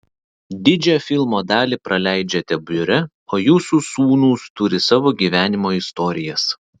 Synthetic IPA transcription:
d̪ʲɪd͡ʒʲɛfʲɪlˠmoːd̪ɑːlʲiːˑpɾʔɐlʲæˑɪd͡ʒʲɛt̪ʲɛbʲʊɾʲɛ | oːjuːsusuːnuːst̪ʊɾʲɪsɑːʋoːɡʲiːʋʲæːnʲɪmoːɪst̪ɔːɾʲɪjɛs

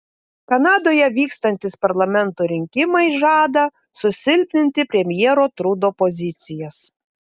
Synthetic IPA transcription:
kɐnɑːd̪oːjɛʋʲiːkst̪ɐnʲt̪ʲɪspɐɾlˠɐmʲɛnˑt̪oɾʲɪŋʲkʲɪmɐɪʒɑːd̪ɐ | sʊsʲɪlʲpʲnʲɪnʲt̪ʲɪpʲɾʲɛmʲjɛːɾoːt̪ɾud̪oːpɔzʲɪt̪sʲɪjɛs

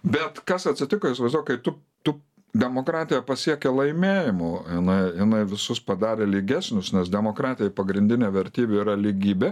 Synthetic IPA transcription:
bʲɛt̪kɐsɐtʲsʲɪt̪ʲɪkoːɪsʋɐɪzd̪uːjkɐɪt̪ʊ | t̪ʊ | d̪ʲɛmoːkɾɑːt̪ʲɪjɛpɐsʲiɛkʲɛlˠɐɪmʲeːjɪmʊjɪnɐɪjɪnɐɪʋʲɪsʊspɐd̪ɑːɾʲeːlʲiɡʲæːsʲnʲʊsnʲɛsd̪ʲɛmoːkɾɑːt̪ʲɪjɛɪpɐɡɾʲɪnʲd̪ʲɪnʲɛʋʲɛɾʲt̪ʲiːbʲʊiɾɐlʲiɡʲiːbʲe

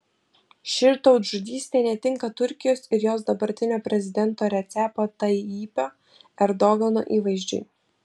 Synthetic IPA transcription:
ʃʲɪɾt̪ɔʊt̪ʒʊd̪ʲiːsʲt̪ʲeːnʲɛt̪ʲɪŋkɐt̪ʊɾʲkʲɪjoːsɪɾjoːsd̪ɐbɐɾʲt̪ʲɪnʲoːpʲɾʲɛzʲɪd̪ʲɛnˑt̪oːɾʲɛt̪sʲæpot̪ɐɪiːpʲoː | ɛɾd̪ɔɡɐno̰ːʔiːʋɐɪʒʲd͡ʒʲʊ̰ɪ

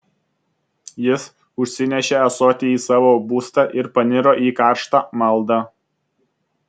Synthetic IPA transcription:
jɪs | ʊʃʲsʲɪnʲɛʃʲeːɐsoːt̪ʲeiːsɑːʋoːbuːst̪ɑʔɪɾpɐnʲɪɾoːʔiːkɑˑɾʃt̪ɑːmɐlˠˑd̪ɑ

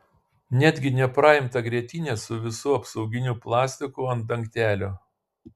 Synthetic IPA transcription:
nʲæd̪ʲɡʲɪnʲɛpɾɑːɪmt̪ɐɡɾʲiɛt̪ʲɪːnʲeːsʊʋʲɪsuːɐpsɒʊɡʲɪnʲuːplˠɑːsʲt̪ʲɪkʊɐnd̪ɐŋʲkt̪ʲæːlʲoː

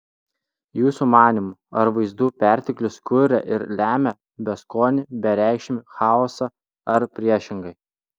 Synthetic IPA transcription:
juːsumɑːnʲɪmʊɐɾʋɐɪzd̪uːpʲæˑɾʲt̪ʲɪklʲʊskʊɾʲɛʔɪɾlʲæːmʲɛ | bʲɛskoːnʲɪbʲɛɾʲæˑɪkʃʲɪmʲɪxɑːɔsɑ | ɐɾpʲɾʲiɛʃʲɪŋɡɐɪ

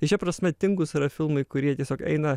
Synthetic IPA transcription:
ɪt͡ʃʲɛpɾɐsʲmʲɛt̪ʲɪŋɡʊsɪɾɐfʲɪlˠmɐɪkʊɾʲiɛt̪ʲiɛsʲoːkɛ̰ɪnɐ

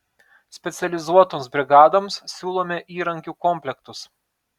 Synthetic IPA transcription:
sʲpʲɛt̪sʲɛlʲɪzuɔt̪oːmsbʲɾʲɪɡɑːd̪oːmssʲuːlˠoːmʲɛʔiːɾɐŋʲkʲuːkɔmʲpʲlʲɛkt̪ʊs

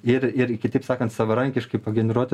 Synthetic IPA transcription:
ɪɾɪɾɪkʲɪt̪ʲɐɪpsɑːkɐnt̪sɐʋɐɾɐŋʲkʲɪʃkɐɪpɐɡʲɛnʲɛɾuɔt̪ʲɪ

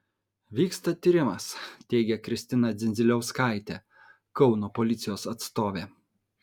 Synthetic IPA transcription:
ʋʲiːkst̪ɐt̪ʲiːɾʲɪmɐst̪ʲɛɪɡʲɛkɾʲɪsʲt̪ʲɪnɐd̪zʲɪnʲzʲɪlʲɛʊskɐˑɪt̪ʲe | kɒʊnoːpɔlʲɪt̪sʲɪjoːsɐt̪st̪oːʋʲeː

